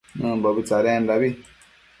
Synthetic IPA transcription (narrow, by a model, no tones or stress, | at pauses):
nə̃bɔbit͡saɾɛndabi